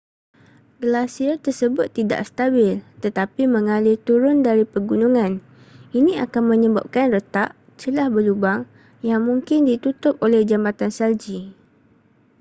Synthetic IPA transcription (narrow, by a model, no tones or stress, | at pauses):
ɡəlasiat̪ərsəbʊt̪ːida̰ʔsə̥t̪abɪlt̪ət̪apimə̃ŋalɪt̪uɾʊndaɾipəɡunuŋãn | inĩa̰kanmə̃ɲə̃ba̰p̚kanrət̪aʔ | t͡ʃəlahbəlubaŋ | jaŋmũŋkɪndit̪ut̪ʊp̚olɛhd͡ʒamat̪ansald͡ʒi